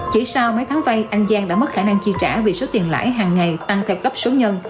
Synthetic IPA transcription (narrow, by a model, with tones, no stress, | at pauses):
t͡ɕḭ˧˩sa˧wmə˨˦jt̪ʰaː˨˦ŋva˧jʔa˧jŋ̟zaː˧ŋɗaː˧˥mə˦˥t̚xaː˧˩na˧ŋt͡ɕi˧t͡ɕa̰ː˧˩vi˨˩so˨˦t̪i˨˩ənla̰ː˧˥˩jɦaː˨˩ŋːa˨˩jt̪a˧ŋt̪ʰɛ˧wkə˦˥p̚su˨˦ɲə˧n